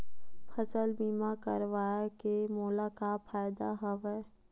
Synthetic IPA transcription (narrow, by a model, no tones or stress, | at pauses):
pʰəsəlbiːmakəɾʋaːjakemoːlakapʰaːɪd̪aɦɐʋɛː